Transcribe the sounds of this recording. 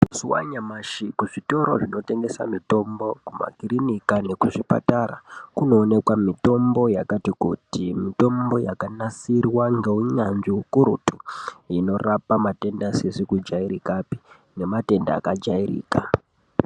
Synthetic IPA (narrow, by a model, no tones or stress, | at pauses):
musuwa̰ɲamaʃikuʐito̞ɾo̞̰ʐino̞te̞ŋɡe̞sa̰mito̞mbo̞kuma̰ɡʱirinikane̞kuʐipa̰taɾa̰kuno̞ːne̞kwamito̞mbo̞jakatikutimito̞mbo̞jakanasirwaŋɡe̞uɲanʐiukuɾutuino̞rapamate̞ndasesikud͡ʒaiɾikapi | ne̞mate̞nda̰ːkad͡ʒairḭːka